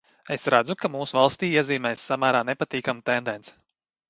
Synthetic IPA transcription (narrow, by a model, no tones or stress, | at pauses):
esɾad̪zukamuːsuvalˠst̪iːiɛziːmɛːsːamæːɾaːnepat̪iːkamt̪end̪ɛnt̪s